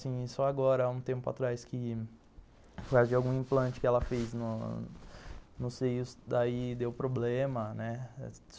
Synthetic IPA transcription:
sĩisʊaɡɔɾɐaũt̪ẽmpʊa̰t̪ɾajskɪ | pʊɾkazʊd͡ʒɪawɡũĩmplɐ̃nt͡ʃɪ̥kɪɛlɐfeznʊ | nʊsejʊsd̪aid̪ewpɾoblẽmɐnɛ

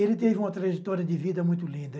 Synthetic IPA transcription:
elɪt̪evɪũmɐt̪ɾɐʒet̪ɔɾjɐd̪ɪvid̪ɐmũj̃t̪ʊlĩnd̪ɐ

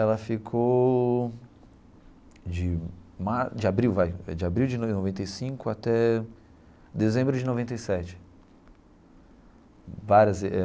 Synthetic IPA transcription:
ɛlɐfikʰow | d͡ʒɪmad͡ʒɪabɾiwvajɛ̰d͡ʒɪabɾiwd͡ʒɪnnovẽnt̪ejsĩkʊat̪ɛ | d̪ezẽmbɾʊd͡ʒɪnovẽnt̪ejsɛt͡ʃɪ̥ | vaɾjɐzɛ

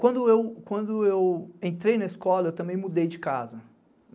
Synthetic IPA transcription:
kwɐ̃nd̪ʊewkwɐ̃nd̪ʊewẽnt̪ɾejnɐiskɔlɐewt̪ɐ̃mbẽj̃mud̪ejd͡ʒɪkazɐ

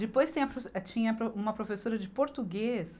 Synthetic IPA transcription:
d͡ʒɪpojst̪ẽj̃ɐpɾosɛt͡ʃĩɲɐpɾoũmɐpɾofesoɾɐd͡ʒɪpoɾt̪uɡes

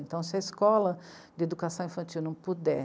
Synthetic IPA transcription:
ẽnt̪ɐ̃w̃sɪɐiskɔlɐ | d͡ʒ̪ɪed̪ukasɐ̃w̃ĩfɐ̃nt͡ʃ̪iwnɐ̃w̃pud̪ɛ

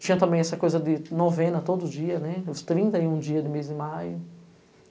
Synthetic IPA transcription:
t͡ʃĩɲɐt̪ɐ̃mbẽj̃ɛsɐkojzɐd̪ɪnovẽnɐt̪od̪ʊʊd͡ʒiɐnɛst̪ɾĩnt̪ɐɪũd͡ʒiɐd̪ɪmezɪ̃majʊ

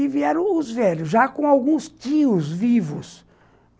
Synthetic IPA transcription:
iviɛɾɐ̃w̃ʊzvɛlʊzʒakõawɡũstiʊzvivʊs

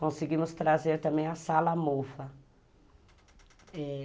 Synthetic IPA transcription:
kõsiɡĩmʊst̪ɾazeɾt̪ɐ̃mbẽj̃ɐsalɐmofɐ | ɛ

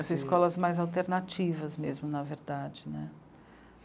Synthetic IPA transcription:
ɐziskɔlɐzmajzawt̪eɾnat͡ʃivɐzmezmʊnɐveɾd̪ad͡ʒɪnɛ

